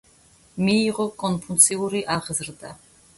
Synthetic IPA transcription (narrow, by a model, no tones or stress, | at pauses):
miːʁɔkʼɔnpʰunt̪sʰʼiuɾiʔaʁzɾd̪a